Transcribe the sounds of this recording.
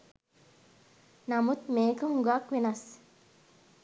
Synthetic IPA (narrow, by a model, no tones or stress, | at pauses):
namut̪meːkəɦuŋɡaːkʋenɐs